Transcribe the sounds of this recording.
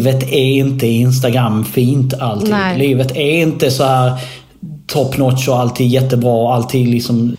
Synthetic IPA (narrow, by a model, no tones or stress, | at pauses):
vət̪ɛɪnt̪əɪɪns̬t̪aɡɾamfiːnt̪alt̪ʰɪliːvət̪ʰɛɾɪnt̪əsɔhæːɾ | t̪ʰɔpːnɔt̪ʃɔalt̪ʰiːɡ̪jɛt̪ːəbɾɑːɔalt̪ʰiːɡ̪lɪksɔm